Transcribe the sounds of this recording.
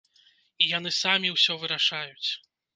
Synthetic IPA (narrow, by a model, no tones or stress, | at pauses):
ijan̪ɨsamʲiwsʲɔvɨɾaʂajut͡sʲ